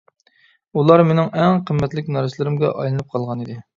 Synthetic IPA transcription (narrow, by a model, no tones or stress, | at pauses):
ulˠɑɾmenɪŋɛŋqʰəmːɛt̪lɪkʲnɑɾɨslɪɾɪmɡʲɛ̰ʔɑ̰jlˠɨnɨp̚qʰɑlˠʁɑnid̪ɪ